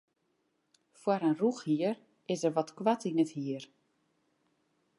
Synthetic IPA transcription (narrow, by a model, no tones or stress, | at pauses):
fwaɾənruxhiər | ɪsərʋɔtkwatinəthiər